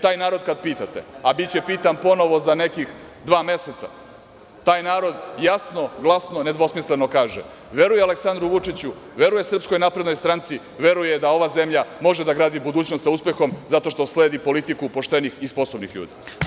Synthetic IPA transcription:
t̪aːjnaːɾo̞d̪kad̪̚piːt̪at̪eabit͡ɕe̞piːt̪anpo̞no̞ʋo̞zane̞kix | d̪ʋaːme̞set̪sa̰ | t̪aːjnaːɾo̞d̪jasno̞ɡlˠasno̞ne̞d̪ʋo̞smisle̞nokaːʒḛ | ʋe̞ɾujealeksand̪ɾuʋut͡ʂit͡ɕu | ʋe̞ɾuje̞sr̩pskojnapɾe̞d̪nojst̪ɾant̪si | ʋe̞ɾujed̪ao̞ʋaze̞mʎamo̞ʒed̪aɡɾaːd̪ibud̪uːt͡ɕnost̪sauspexo̞mzat̪o̞ʃt̪osleːd̪ipo̞lit̪ikupo̞ʃt̪e̞nixispo̞so̞bnixʎṵːd̪i

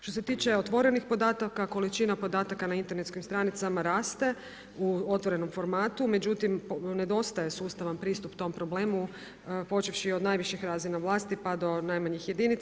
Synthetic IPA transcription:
ʃt̪o̞se̞t̪iːt͡ʃe̞o̞t̪ʋo̞ɾe̞nixpo̞d̪aːt̪akako̞lit͡ʃinapo̞d̪aːt̪akanaint̪e̞ɾnet̪skimst̪ɾaːnit̪samaɾaːst̪e̞ | uo̞t̪ʋo̞ɾe̞no̞mfo̞ɾmaːt̪ume̞d͡ʒut̪imne̞d̪o̞st̪aje̞suːst̪aʋanpɾiːst̪upt̪o̞mpɾo̞bleːmu | po̞t͡ʃifʃio̞d̪najʋiʃixɾaːzinaʋlˠaːst̪ipad̪o̞najmaɲixje̞d̪init̪

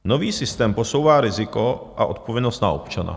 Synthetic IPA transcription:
no̞viːsɪst̪ɛːmpo̞sowvaːɾɪzɪko̞ʔa̰ʔo̞t̪̚povjɛnost̪na̰ʔo̰pt͡ʃana̰

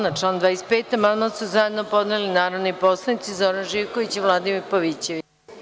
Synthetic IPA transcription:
nat͡ʃland̪ʋaespeːt̪amanmasuzaje̞d̪nopo̞d̪nelinaːɾod̪nipo̞slˠanit̪sizoɾanʒiʋko̞ʋit͡ɕiʋlˠad̪imiɾpoʋit͡ɕeʋi

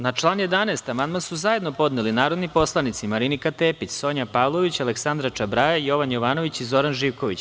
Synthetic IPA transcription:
nat͡ʃlˠaːnje̞d̪anɛːst̪amand̪mansuzaje̞d̪no̞po̞d̪nelinaːɾod̪nipo̞slˠanit̪simaɾinikat̪eːpit͡ɕso̞ɲapaːʋlˠo̞ʋit͡ɕaleksand̪ɾat͡ʃabɾajajo̞ʋanjo̞ʋaːno̞ʋit͡ɕizo̞ɾanʒiːʋko̞ʋit͡ɕ

